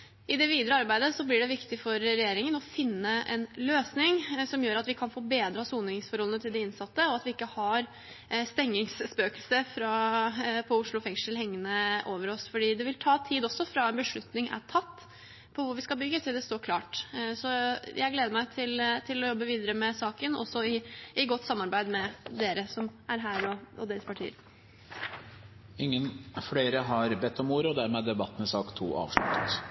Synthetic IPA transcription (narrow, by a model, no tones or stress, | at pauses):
ʔɪd̪ɛʋiːd̪əɾəɑɾbæɪd̪əsɔblɪɖɛʋɪkt̪ɪfɔɾɾɛjeːɾɪŋənɔfɪnːəʔɛ̰nløːsnɪŋsɔmjøːɾɑt̪ʋɪkʰɑnfoːbeːd̪ɾɑsuːnɪŋsfɔɾhɔlənət̪ʰɪld̪ɛɪnsɑt̪ːəɔɑt̪ʋɪɪkːəhɑɾ | st̪ɛŋːɪŋsspøːkəlsəfɾɑ | pʰɔʊʂɭʊfɛŋʂəlhɛŋːənəʔoːʋəɾɔsfɔɖiːd̪ɛʋɪlt̪ʰɑːt̪ʰiːd̪ɔsːɔfɾɑɛnbəʂɭʉt̪nɪŋʔæ̰ʈʰɑt̪ː | pʰɔʋʊɾʋɪskɑbʏɡːət̪ʰɪld̪ɛst̪oːɾkʰlɑːʈsɔjæɪɡleːd̪əmæɪt̪ʰɪlt̪ʰɪlɔjɔbːəʋiːd̪əɾəmɛsɑːkənɔ̰sːɔɪɪɡɔt̪ːsɑmːɑɾbæɪd̪mɛd̪eːɾəsɔmæɾɦæːɾɔɔ̰d̪eːɾəspʰɑʈʰḭːəɾ | ɪŋːənfɽeːɾəɦɑɾbɛt̪ːɔmuːɾəɔd̪æɾmɛd̪ɛbɑt̪ːənəsɑːkt̪ʰːṵːɑ̰ːʋʂlʉ̰t̪ːə̥t̪